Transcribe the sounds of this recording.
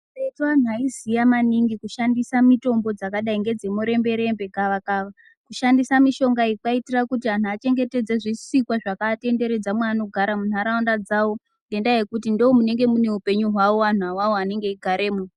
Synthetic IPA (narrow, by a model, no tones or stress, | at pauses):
aitwanuaizijamaniŋɡikuʃandisamito̞mbo̞d͡zakaɗaiŋɡe̞d͡zemuɾe̞mbe̞ɾe̞mbe̞kaʋakaʋa | kuʃandisamiʃo̞ŋɡaikwaitirakutian̤uat͡ʃe̞ŋɡe̞te̞d͡zeʐisikwaʐakate̞nde̞ɾe̞d͡zamwaːno̞ɡʱaɾamun̤aɾaundad͡zawo̞ | nde̞ndaje̞kut̬indoomune̞ŋɡe̞mune̞upe̞ɲuɦwawo̞ʋan̤uawawoane̞ŋɡe̞iɡʱaɾe̞ːmu